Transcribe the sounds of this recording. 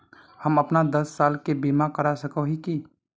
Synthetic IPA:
həmɐpnad̪ɐsːaːlkebimakəɾasəkoɦiki

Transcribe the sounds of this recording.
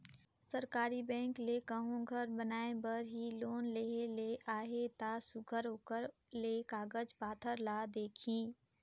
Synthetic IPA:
səɾkaːɾibɛ̃ːŋklekəɦõɡʱəɾbənaːebəɾɦiloːnleɦeleʔaːɦet̪aːsʊɡʱəɾɦoːkəɾlekaːɡəd͡ʒpaːt̪ʰəɾlaːd̪eːkʰĩː

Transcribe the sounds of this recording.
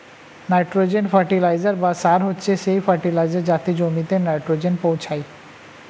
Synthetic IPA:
najʈɾod͡ʑenfaɾʈilajd͡ʑaɾbasaɾɦotːɕʰeʃejfaɾʈilajd͡ʑaɾd͡ʑat̪id͡ʑomit̪enajʈɾod͡ʑenpowt͡ɕʰaj

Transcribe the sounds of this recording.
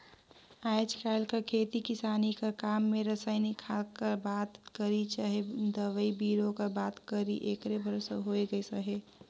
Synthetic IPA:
ad͡ʒkʰaɪlkakʰeːt̪ikɪsaːnikakamːeɾəsəɪnikʰakəɾbat̪kəɾit͡ʃaɦed̪əʋəibiːɾokəbat̪kəɾḭʔekɾebʱəɾsəɦoeɡəesəɦe

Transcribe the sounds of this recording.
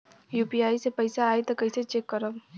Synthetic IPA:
juːpiaːisepɐɪsaaːet̪okɐɪset͡ʃeːkːəɾəb

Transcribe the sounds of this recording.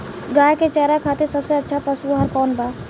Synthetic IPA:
ɡãːjket͡ʃɛːɾakʰaːt̪eɾsəbseətːʃʰapəsuɦəɾkɔːnba

